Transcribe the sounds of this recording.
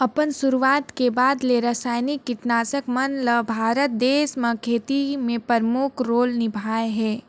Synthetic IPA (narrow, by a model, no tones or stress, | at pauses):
ɐpənsʊɾuʋaːt̪kebaːd̪leɾɐsaːjnikːɪʈnaːsəkmɐnləbʱaːɾət̪̚d̪eːsmɐ̃kʰeːt̪imẽpəɾmʊkʰɾoːlnɪbʱaːeɦɛː